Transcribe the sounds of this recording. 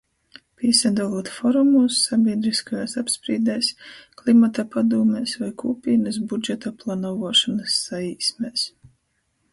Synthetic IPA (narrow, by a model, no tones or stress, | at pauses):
pʲiɛsad̪alˠuɔt̪fɔɾumusːabʲiɛd̪ɾiskajaːsapspɾiːd̪ɛːsklˠimat̪apad̪uːmɛːsvajkuːpʲiːnɨs̬bud͡ʒɛt̪aplˠanɔvɔɔʃɔnɨsːaiːsmɛːs